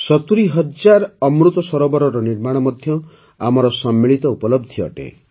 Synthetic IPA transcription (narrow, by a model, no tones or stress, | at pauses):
sɔt̪uɾiɦɔd͡ʒaɾɔmɾut̪ɔsɔɾobɔɾɔɾɔniɾmaɽ̃ɔmɔd̪ʱjɔ | a̰mɔɾɔsɔmːiɭit̪ɔupɔlɔb̚d̪ʱiɔ̰ʈḛ̃